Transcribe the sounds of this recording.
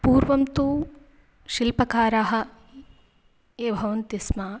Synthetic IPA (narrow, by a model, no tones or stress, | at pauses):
puːɾʋɐmt̪uː | ʃilpɐkaːɾaːɦɐ̆ | eːbʱɐʋɐnt̪ismaː